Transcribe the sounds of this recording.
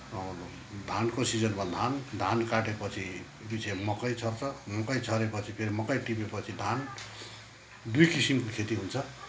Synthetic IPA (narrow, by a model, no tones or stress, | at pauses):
ʌ | d̪ʱankosid͡zʌnbʌd̪ʱand̪ʱankaʈepʌt͡sʰi | bit͡sʰemʌkʌjt͡sʰʌrt͡sʰʌmʌkʌjt͡sʰʌɾepʌt͡sʰipʰeɾimʌkʌjʈipepʌt͡sʰid̪ʱan | d̪ujkisimkokʰet̪iɦunt͡sʰʌ